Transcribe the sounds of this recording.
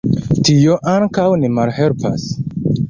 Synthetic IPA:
tio̞ʔaŋkawnimalhe̞lpa̰s

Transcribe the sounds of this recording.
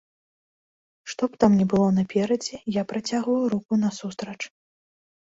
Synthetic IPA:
ʂt̪ɔpt̪amnʲɛbɨlˠɔnɐpʲɛɾɐd͡zʲɛjapɾɐt͡sʲaɣvɐwɾukunɐsust̪ɾɐt͡ʂ

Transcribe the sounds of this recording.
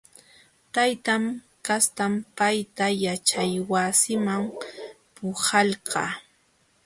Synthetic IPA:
t̪ajt̪am | kast̪ampajt̪ajat͡ʃajwasɪmam | pʊhɑlɢɑ̰ː

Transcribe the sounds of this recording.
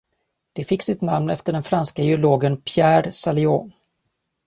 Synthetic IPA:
d̪̥ɛfɪksɪt̪namnɛft̪əɖɛnfɾanskajɪʊloːɡənpʰjæːɾsalɪɔː

